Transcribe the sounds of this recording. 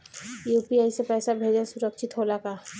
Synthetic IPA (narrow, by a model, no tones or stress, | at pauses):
juːpiaːisepɛːsabʱeːd͡ʒasʊɾəkʃɪt̪ɦoːlaka